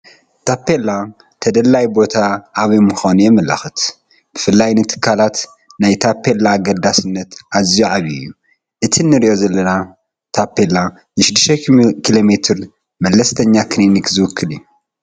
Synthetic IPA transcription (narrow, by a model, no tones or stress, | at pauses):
t̪ʰapːela | t̪ʰɐd̪ɐlːajbo̞t̪ʰaʔːβimɨxanujɛmɐlɐ̰xɨt̪ | b̥ɨfɨlːajnɨt̪ʰɨ̥kʰːalat̪ | najt̪ʰapʰːelːaːɡɐld̪asɨnːɐt̪ʔazijuʕaβḭjːu | ʔɨt̪ʰinːɨɾiʔozɐlːɐna | t̪ʰapːela | nɨʃɪd̪ːɨʃt̪ekʰilo̞met̪ʰɨɾ | mɐlːɐst̪ʰɐɲːakʰnenikzɨwʊkʰːɨliju